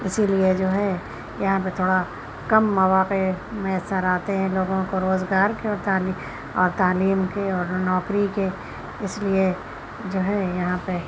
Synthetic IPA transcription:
ɪsilied͡ʒoːɦɛ | jɐɦãp̬et̪ʰoːɽa | kɐmːɐʋaːqemɐəsaɾaːt̪eɦɛ̃loːɡõkoɾoːzɡaːɾkeɔːɾt̪aːli | ɔːɾt̪aːliːmkeɔːɾnɔːkɾike | ɪslie | d͡ʒoːɦɛjɐɦãpe

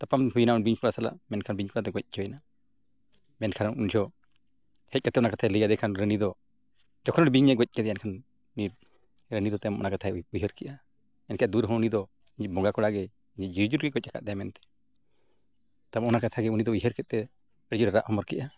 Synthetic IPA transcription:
t̪apamɦujnaɔnbiɲkʰɔɽasala̰ʔmɛnkʰanbiɲkɔɽat̪ɛɡɔc̚d͡ʒɔjna | mɛnkʰanund͡ʒʰɔ | hɛc̚kat̪ɛɔnakat̪ʰaləɡad̪ɛkʰanɾənid̪ɔ | d͡ʒɔkʰɔnɽibiɲːɛɡɔc̚ˀkɛd̪ɛjankʰan | ni | ɾənid̪ɔt̪ɛmʔɔ̰nakat̪ʰaujɦəɾkɛʔa | ɛnkʰɛad̪uɾɦɔunid̪ɔ | iɲɛbɔɡakɔɽaɡɛ | iɲd͡ʒɛd͡ʒiɾd͡ʒuɾɡɛɡɔc̚ːakʰaʔ̪d̪ajamɛnt̪ɛ̥ | t̪amɔnakat̪ʰaɡɛunid̪ɔujɦəɾkɛt̪̚t̪ɛ | əɽd͡ʒuɾɛɾaʔhɔmɔɾkɛʔa

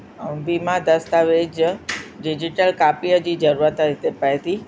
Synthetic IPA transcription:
biːmãd̪ɐst̪aʋed͡ʑɖɪd͡ʑɪʈəlkaːpiəd͡ʑiːd͡ʑɐɾuɾət̪ɪt̪epɐet̪iː

